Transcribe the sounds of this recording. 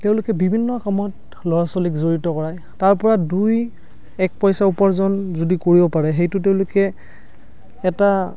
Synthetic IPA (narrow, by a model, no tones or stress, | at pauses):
teʊ̃lʊkɛbibʱinːɔakɔmɔt | lɔɹasolikzoɹitɔkɔɹaj | taɹpɔɹaduj | ɛk̚pɔjsaupɔɹzɔnzodikoɹibɔpaɹɛɦejtʊteʊ̃lʊkɛ | ta